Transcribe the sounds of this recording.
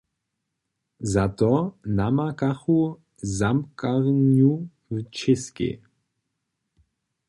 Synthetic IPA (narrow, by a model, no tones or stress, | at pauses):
zat̪ɔnamakaxu | zamkaʁnu | wt͡ʃɪskɪ̰